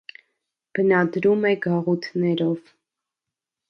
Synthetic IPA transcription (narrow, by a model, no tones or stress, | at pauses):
b̥ənɑd̪ɾumɛɡɑʁut̪ʰnɛɾɔv